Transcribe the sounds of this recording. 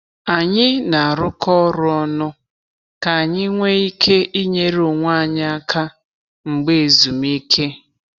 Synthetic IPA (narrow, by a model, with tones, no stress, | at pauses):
a˨ɲɪ˦na˨a˨ɾʊ˦kɔ˦ɾʊ˦ɔ˦nʊ˦ | ka˨a˨ɲɪ˦ŋʷe˦i˦kʰe˦ʔi˦ɲe˦ɾo˨ŋʷa˦˨ɲa˦a˦ka˦ | ŋ͡m̩˨ɡ͡be˦˨zu˨mi˦kʰe˦